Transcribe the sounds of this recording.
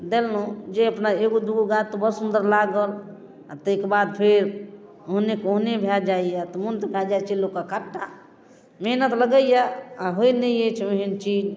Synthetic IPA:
d̪elnod͡ʒeəpnaeɡod̪uɡoɡat̪ːobəɾsund̪əɾlaɡəl | at̪ekebad̪̚pʰeɾ | oɦnekoɦnebʱjad͡ʒaijat̪ɔmunt̪kʰad͡ʒajt͡ʃʰelokːakaʈːa | meɦnət̪ləɡəjaaɦoinəjet͡ʃʰmeɦint͡ʃid͡ʒ

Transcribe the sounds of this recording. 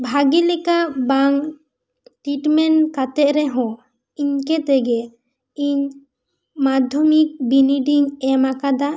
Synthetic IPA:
bʱaɡilɛkabaŋ | ʈiʈmɛnkat̪ɛʔɾɛɦɔ̃ | iɲkɛt̪ɛɡɛ | iɲ | mad̪ʱɔmik̚biniɖiŋɛmakad̪a

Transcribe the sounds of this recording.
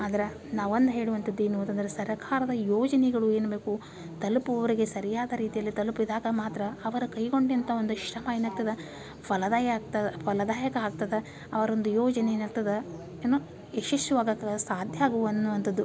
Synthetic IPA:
aːd̪ɐɾe | naːʋɐnd̪uɦeːɽuʋɐnt̪ɐd̪ːienunt̪ɐnd̪ɐɾesɐɾɐkʰaːɾɐd̪ɐjoːd͡ʒɐnɛɡɐɭue̞ːnube̞ːku | t̪ɐlupuʋɐʋɐɾiɡe̞sɐɾijaːd̪ɐɾiːt̪ijɐlːit̪ɐlupid̪aːɡɐmaːt̪ɾɐːʋɐɾukɐjɡo̞ɳɖɐnt̪ʰɐond̪uʃɾɐmɐeːnaːɡ̚t̪ɐd̪ɐ | pɐlɐd̪aːjɐːɡ̚t̪ɐd̪pɐlɐd̪aːjɐkɐaːɡ̚t̪ɐd̪e | ɐʋɐɾo̞nd̪ujɔːd͡ʒɐnenɐɭ̚t̪ɐd̪ɐ | eːnoː | eʃɐʂʈuʋaːɡɐksaːd̪ʱjɐaːɡuʋɐnːuʋɐnt̪ɐd̪ːu

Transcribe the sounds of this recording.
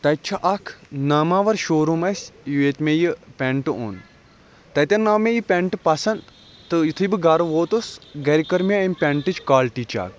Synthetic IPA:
t̪ɐt͡ʃʰɐʔɐkʰnaːmaːʋɐɾʃoːɾumɐsʲjueːt̪meːjipʲeɳʈɨo̰ːn | t̪ɐt̪ʲɐnnːaːmejipʲeɳʈpɐsɐn | t̪ɨjit̪ʰɨbɨɡaːɾɐʋoːt̪usɡɐɾikɐɾmʲaɐmʲpʲeɳʈɨt͡ʃkaːlʈit͡ʃa̰ːk̚

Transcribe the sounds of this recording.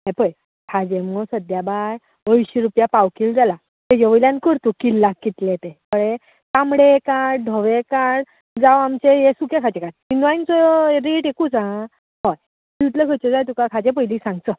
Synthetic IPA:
ɦɛ̃pəj | kʰad͡ʑẽmɡɔsəd̪jabaj | əʋiɕiɾupjapawkild͡zala | t̪ed͡ʑeʋəljãnkəɾt̪ukilːakːit̪let̪ekəɭe | t̪amɽekaɽ̚ɖʱəʋekaɽ | d͡zawamt͡ɕejesukekʰad͡ʑekaɽinʋajnt͡sɔɾiʈekut͡sã | ɦɔj | it̪ləkʰət͡ɕəd͡zajt̪̬ukakʰad͡ʑẽp̬əjlisãŋɡt͡sə

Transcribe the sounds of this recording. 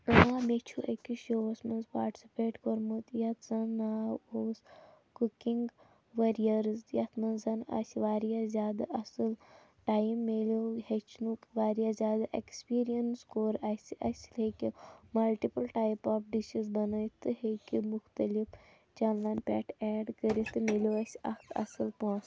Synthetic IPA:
aːmet͡ʃʰuɐkiʃoːɐsmɐnzpa̰ːɾʈi̥sipeːʈkoɾmut̪jɐt̪zɐnːaːoːs | kukiŋɡ | ʋɐɾijɐɾzjɐt̪ʰmɐnzɐna̰siʋaːɾijazʲjaːd̪ɐʔɐsɨl | ʈaːjmːeloɦet͡ʃʰnukʋaːɾijazʲjaːd̪aʔekspiːɾijɐnskoːɾasʔɐsʲlekʲimɐlʈipəlʈaːjpaːfɖiʃizbɐnəjt̪ɨɦekimuxt̪ɐlif | t͡ʃɐnlɐnpʲɛːʈʰɛːɖkəɾit̪ɨmelʲjoɐsʲɐ̰kt̪ʰɐ̰sɨlpõs

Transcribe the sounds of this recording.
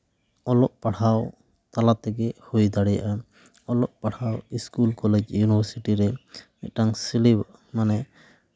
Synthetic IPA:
ɔlɔʔ̚paɽaw | t̪alat̪ɛɡɛhojd̪aɽɛja̰ʔa | ɔlɔʔ̚paɽ̤awiskulkɔlɛd͡ʒjunibəɾsiʈiɾɛ | ɛʈaŋsilib | manɛ

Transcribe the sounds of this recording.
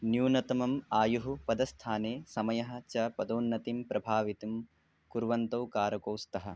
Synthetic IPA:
njuːnɐt̪ɐmɐmaːjuɦupɐd̪ɐst̪ʰaːneːsɐmɐjɐɦɐ̆t͡ʃɐpɐd̪oːnːɐt̪impɾʔɐbʱaːʋit̪um | kuɾʋɐnt̪ɐwkaːɾɐkoːst̪ɐɦɐ̰

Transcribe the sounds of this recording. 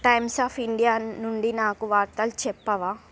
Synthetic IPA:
ʈɐjmsaːpʰiɳɖijaːnuɳɖinaːkuʋaːɾt̪ɐlut͡ʃɛpːɐʋaː

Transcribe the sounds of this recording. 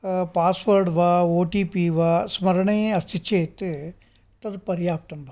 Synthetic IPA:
paːsʋɐɾɖʋaːoːʈiːpiːʋaːsmɐɾɐɳɐeɐst̪iʃʰeːt̪ɨ | t̪ɐd̪pɐɾjaːp̚t̪ɐmbʱɐ

